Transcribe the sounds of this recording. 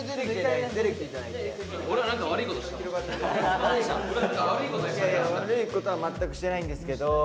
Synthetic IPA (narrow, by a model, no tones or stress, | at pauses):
d̪eɾekːd̪eɾekit̪eid͡ʑanai | oɾeanãŋkaβaɾɯ̟ikot̪oɕi̥aiɾokat̪ːaaaoɾeãkaaɾɯikot̪oaaβaɾɯ̟iko̞t̪o̞amat̪ːakɯ̟ɕi̥t̪e̞naĩnd̪e̞sɨ̥ke̞d̪o̞